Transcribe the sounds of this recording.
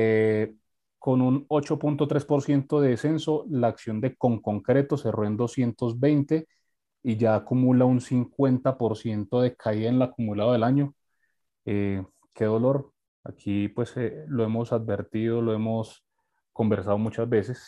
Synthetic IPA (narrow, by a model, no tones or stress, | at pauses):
e | ko̞nuno̞t͡ʃo̞punt̪o̞t̪ɾe̞spo̞ɾsje̞nt̪o̞ðe̞ðese̞nso̞laːksjo̞nd̪e̞ko̞ŋko̞ŋkɾe̞t̪o̞se̞roend̪o̞sje̞nt̪o̞zbe̞jnt̪e̞ | id͡ʒaːkumulaunsiŋkwe̞nt̪apo̞ɾsje̞nt̪o̞ðe̞kʰaienlakumulaðoðelaɲo̞ | e | kʰe̞ðo̞lo̞ɾ | a̰kʰipwe̞selo̞e̞mo̞sað̚be̞ɾt̪iðoloe̞mo̞s | ko̞mbe̞ɾsaðo̞mut͡ʃazbe̞ses